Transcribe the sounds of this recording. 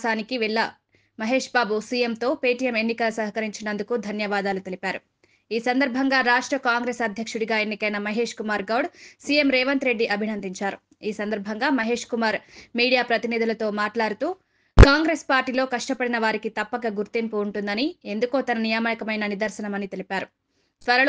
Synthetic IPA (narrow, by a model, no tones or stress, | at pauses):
saːnikiʋɛɭːɐ | mɐɦe̞ːʂbaːbusiːje̞mt̪o̞ːpeːʈijɐme̞nːikɐlɐsɐɦɐkɐɾiɲt͡ʃinɐnd̪ukud̪ʱɐnjɐʋaːd̪aːlut̪e̞lipaːɾu | iːsɐnd̪ɐɾbʱɐŋɡaːɾaːʂʈɾɐkaːŋɡɾeːsɐd̪ʱjɐkʂuɽiɡaːenːikɐjnɐmɐɦe̞ːʂkumaːɾɡɐwɽsiːe̞mɾɛːʋɐnt̪ɾe̞ɖːiʔɐbʱinɐnd̪iɲt͡ʃaːɾu | iːsɐnd̪ɐɾbʱɐŋɡaːmɐɦe̞ːʂkumaːɾmiːɽijaːpɾɐt̪inid̪ulɐt̪o̞ːmaːʈlaːɽut̪uː | kaːŋɡɾeːspaːɾʈiːlo̞ːkɐʂʈɐpɐɽinɐʋaːɾikit̪ɐpːɐkɐɡuɾt̪impuːɳʈund̪ɐnie̞nd̪ukoːt̪ɐnɐnijaːmɐjikɐmɐjnɐnid̪ɐɾsɐnɐmɐnit̪e̞lipaːɾu | t̪ʋɐɾɐl